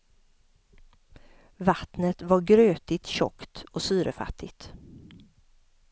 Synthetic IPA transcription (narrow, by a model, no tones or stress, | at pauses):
vat̪nət̪vaɾɡɾøːt̪ɪt̪ɕɔ̰kt̪ɔsyːɾəfa̰t̪ʰːɪɡt̪